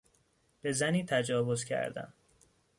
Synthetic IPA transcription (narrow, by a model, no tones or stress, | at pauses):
b̥e̞zæniːt̪ʰæd͡ʒɒːvo̞z̥cʰæ̰ɾd̪æ̰m